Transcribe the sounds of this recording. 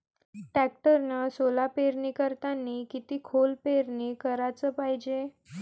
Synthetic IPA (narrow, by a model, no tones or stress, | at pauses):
ʈæk̚ʈəɾnasolapeɾniːkəɾt̪anːiːkit̪iːkʰolpeɾniːkəɾat͡səːpaɦid͡ʑe